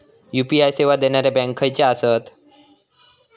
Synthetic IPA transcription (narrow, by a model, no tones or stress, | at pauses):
jupiajseʋad̪eñaɾabɛ̃ŋkʰajt͡ɕaasət̪